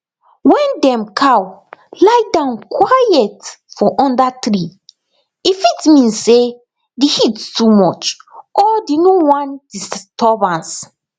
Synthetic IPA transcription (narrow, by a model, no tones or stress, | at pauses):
wɛ̃ndɛ̃mkʰawlajdãʊ̃nkwajɛtfɔʔɔ̃ndatɾi | ifitmĩnse | dehittʰumɔt͡ʃʔɔdenowãnd̥istɔbãns